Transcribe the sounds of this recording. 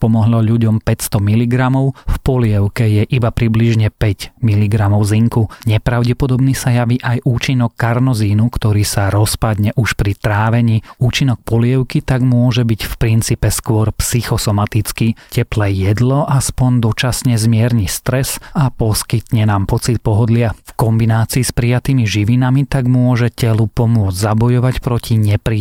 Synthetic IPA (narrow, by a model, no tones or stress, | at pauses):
pɔmɔɦlɔʎuɟɔmpɛcst̪ɔmiliɡɾamɔʊfpɔlɪɛʊkɛjɛʔibapɾibliʒɲɛpɛɟmiliɡɾamɔʊziŋkuɲɛpɾaʊɟɛpɔd̪ɔbniːsajaʋiʔajʔuːt͡ʃinɔkːaɾnɔziːnukt̪ɔɾiːsaɾɔspad̪ɲɛʔuʃpɾit̪ɾaːʋɛɲiːuːt͡ʃinɔk̚pɔlɪɛʊkit̪aɡmʊɔʒɛbiɟfpɾint͡siːpɛskʊɔɾpsixɔsɔmat̪it͡skicɛplɛjɛd̪lɔʔaspɔɲd̪ɔt͡ʃasɲɛzmɪɛɾɲist̪ɾɛsapɔskit̪ɲɛnaːmpɔt͡sit̪̚pɔɦɔd̪lɪafkɔmbinaːt͡siːspɾijat̪iːmiʒiʋinamit̪aɡmʊɔʒɛcɛlupɔmʊɔd͡zzabɔjɔʋacpɾɔcʰiɲɛpɾi